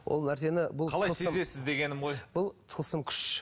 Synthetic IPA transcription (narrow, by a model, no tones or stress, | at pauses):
wʔo̰lˠnæɾse̞nɪbʊlˠʰɑlˠajəseəmzesɪzd̪e̞ɡʲe̞nɪmʁo̞jb̥ʊlˠt̪ʰəlˠsəmkʲʰʏ̥ʃ